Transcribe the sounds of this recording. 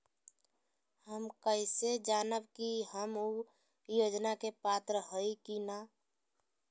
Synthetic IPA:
həmkəised͡ʒanəbkihəmu | jod͡ʒnakepat̪ɾəɦəikina

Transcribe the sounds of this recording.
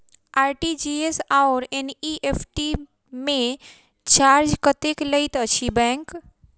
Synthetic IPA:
aɾʈid͡ʒiesaʊɾeniʔepʰʈi | mẽ | t͡ʃaɾd͡ʒkət̪ekləjt̪ət͡ʃʰibɛ̃ŋk

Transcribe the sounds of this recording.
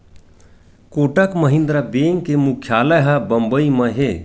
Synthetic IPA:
koːʈəkməɦĩnd̪ɾəbeŋɡkemukʰjaːləɦəbəmbəiməɦe

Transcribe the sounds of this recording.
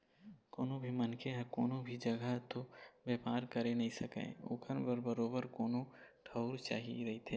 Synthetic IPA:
koːnobʱimɐnkʰeɦɛkoːnõbʱid͡ʒɐɡət̪objeːpaːɾkɐɾenɐɦĩsɐkḛ̃ːo̰ːkʰənbəɾbəɾoːbəɾkoːnoʈʰəʊɾt͡ʃa̰ːɦḭɾɐɦit̪ʰeː

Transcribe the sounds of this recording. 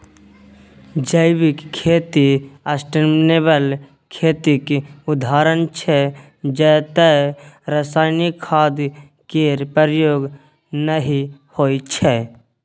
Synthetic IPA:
d͡ʒəɪʋɪkkʰːeːt̪iasʈəɾmneːbəl | kʰeːt̪ikʊd̪ʱaːɾənt͡ʃʰɛ | d͡ʒɛːt̪əɾəsaːɪnikʰːaːd̪ | keɾpəɾjoːɡ | nəɦihoːit͡ʃʰɛ

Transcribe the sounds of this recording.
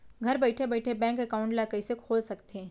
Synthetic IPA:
ɡʱɐɾbɛːɪʈʰebɛːʈʰebɛ̃ːŋkɛkaʊ̃ɳʈlakəisekʰoːlsɐkt̪eɛ̃ː

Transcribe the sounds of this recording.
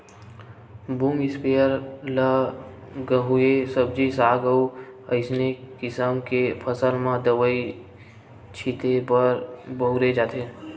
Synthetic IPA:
bumɪspejəɾlə | ɡəɦuesəb̚d͡ʒisaːɡəuəɪsnekɪsəmkepʰəsəlmãd̪əʋəi | t͡ʃʰit̪eəɾbəuɾed͡ʒat̪ʰe

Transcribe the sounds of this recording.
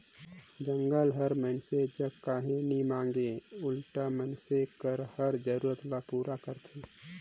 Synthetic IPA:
d͡ʒə̃ŋɡəlɦəɾmɛnsed͡ʒəbkaːɦẽnimãːŋɡeʊlʈamənsekəɾhəɾd͡ʒəɾuːɾət̪lapuːɾakəɾt̪ʰeː

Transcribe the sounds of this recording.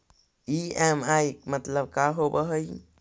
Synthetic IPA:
iemajk̚mɐt̪ləb̚kaɦobəɦəj

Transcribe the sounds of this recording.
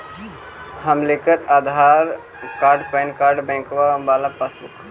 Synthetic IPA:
hɐmlekət̪aːd̪ʱaːɾ | kaːɾɖpəːnkaːɾɖbɛ̃ːŋkʋabaːlapasbuk

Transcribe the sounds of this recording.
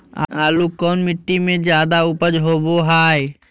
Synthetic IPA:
a̰aːlukɔːnmɪʈːimẽd͡ʒjaːd̪aʊpəd͡ʒɦoːboɦaːe

